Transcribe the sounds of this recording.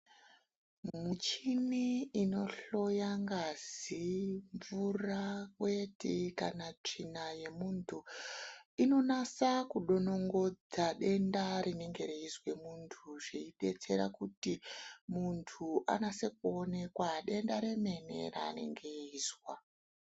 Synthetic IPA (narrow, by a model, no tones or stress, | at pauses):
mut͡ʃiniino̞ɬo̞jaŋɡaziɱvurakwe̞tikanat͡ʂinaje̞muntʰu | ino̞nasakuɗo̞no̞ŋɡo̞d͡zaɗe̞ndaɾine̞ŋɡe̞ɾeizwe̞muntʰuʐeiɗe̞t͡se̞ɾa̰kutimuntʰuʔa̰nase̞k̚uone̞kwaɗe̞ndaɾe̞me̞ne̞̰ra̰ːne̞̰ŋɡe̞iːzwa